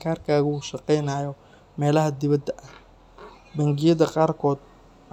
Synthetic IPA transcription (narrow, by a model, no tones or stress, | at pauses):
kʰaːrkʰaːɣɐːʃɑqɛjnaːjɔ | mɛːlɐɦɐd̪ɪβɐd̪ɐʔɐh | bɐŋɡɪjɐðɐqɑːrkʰɔːd̪̚